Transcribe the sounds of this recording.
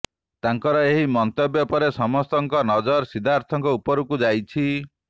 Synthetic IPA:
t̪aŋkɔɾɔeɦimɔnt̪objɔpɔɾesɔmɔst̪ɔŋkɔnɔd͡ʒɔɾsid̪ʱaɾt̪ʰɔŋkɔupɔɾukud͡ʒajt͡ʃʰi

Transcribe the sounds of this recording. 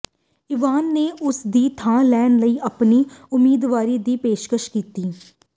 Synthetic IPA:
ɪʋaːnːeːʔʊsd̪iːt̪ʰãːlɛːnləiːʔəpniːʊmiːd̪ʋaːɾiːd̪iːpeːʃkəʃkiːt̪iː

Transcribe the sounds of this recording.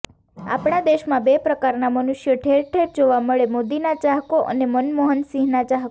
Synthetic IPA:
a̰pɳad̪eʃmãbepɾəkaɾnamənuʃjəʈʰeɾʈʰeɾd͡ʒoʋaməɭemod̪inat͡ʃaɦkoʔə̰nemənmoɦənsĩɦnat͡ʃaɦko

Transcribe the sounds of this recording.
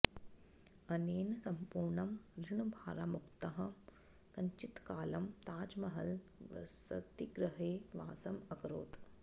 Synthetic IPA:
ɐneːnɐsɐmpuːɾɳɐmɾiɳubʱaːɾaːmukt̪ɐɦɐ̆ | kɐɲt͡ʃit̪kaːlɐmt̪aːd͡ʒmɐɦɐl̰sɐ̰t̪iɡɾɐɦeːʋaːsɐmɐkɾo̰ːt̪

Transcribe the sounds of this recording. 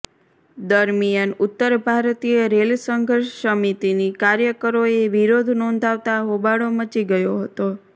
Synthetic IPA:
d̪əɾmijənʊt̪ːəɾbʱaɾt̪ijəɾelsəŋɡʱəɾʃsəmit̪inikaɾjəkəɾoeʋiɾod̪ʱnɔ̃nd̪ʱaʋt̪aɦobaɽomət͡ʃiɡəjoɦət̪o

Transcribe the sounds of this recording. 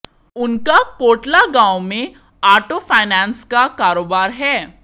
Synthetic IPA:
ʊnkakoːʈlaɡãːwmẽ | aːɾʈofʰaːɪnɛ̃ːnskakaːɾoːbaːɾɦɛː

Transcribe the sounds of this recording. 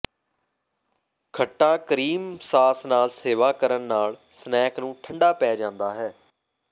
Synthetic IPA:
kʰəʈːãːkəɾiːmsaːsnaːlseːʋaːkəɾənːaːl | snɛːknũːʈʰəɳɖaːpɛːd͡ʒãːnd̪aːɦɛː

